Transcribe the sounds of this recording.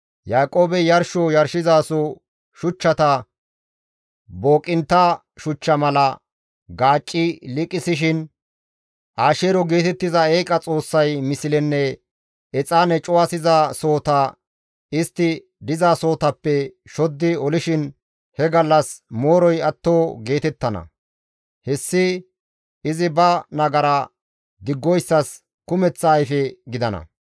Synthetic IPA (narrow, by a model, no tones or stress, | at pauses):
jaːkʼoːbɛjɐɾʃɔjɐɾʃɪzaːsɔ | ʃʊt͡ʃːɐt̪ɐ | bo̞ːkʼɪnt̪ːɐ | ʃʊt͡ʃːɐmɐlɐ | ɡaːt͡ʃʼːɪlɪkʼːɪsɪʃɪn | ʔaːʃeːɾɔɡeːt̪ɛt̪ːɪzɐeːkʼɐt͡sʼo̞ːsːɐjmɪsɪlɛnːɛ | ɛt͡sʼaːnɛt͡ʃʼʊwasɪzaso̞ːt̪aː | ɪst̪ːɪ | d̪ɪzaːso̞ːt̪ɐpːɛ | ʃɔd̪ːɪɔlɪʃɪn | hɛɡɐlːɐsmo̞ːɾɔjɐt̪ːoːɡe̞ːt̪ɛt̪ːɐnɐ̰ | hɛsːɪ | ɪzɪbɐnɐɡɐɾa | d̪ɪɡːɔjsːɐs | kʊmɛt͡sːɐːjfɛɡɪd̪ɐnɐ̰